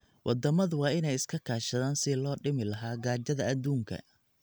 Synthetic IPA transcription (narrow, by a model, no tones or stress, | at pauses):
wʔɑd̪ɐmɐðʊwɑːɪnɛjɪskʰɐkʰaːʃɐðaːnsɪlɔːɖɪmɪlɐɦaːɡaːd͡ʒɐðɐɐd̪uːŋkʰɐ̰